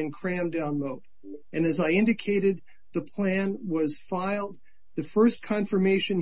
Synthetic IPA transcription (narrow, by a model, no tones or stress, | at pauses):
ɨ̃nkʰɹ̥æ̃mdãʊ̃nmoʊɾ | ɨ̃nɨzaɪɪ̃ndɨkʰeɪɾɨd̪̚ | ðɨpʰl̥æ̃nwʌz̥faɪlˠd̪̚ | ðɨfɜ˞skʰɑ̃ɱfə˞meɪʃɨ̃n